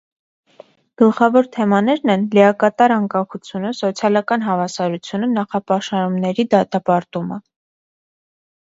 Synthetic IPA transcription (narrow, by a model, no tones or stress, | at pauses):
ɡ̥əlχɑvɔɾt̪ʰɛmɑnɛɾnɛnlɛɑkɑt̪ɑɾɑŋkɑχut͡sʰjunəsɔt͡sʰjɑlɑkɑnɦɑvɑsɑɾut͡sʰjunənɑχɑpɑʃɑɾumnɛɾid̪ɑt̪ɑpɑɾt̪umə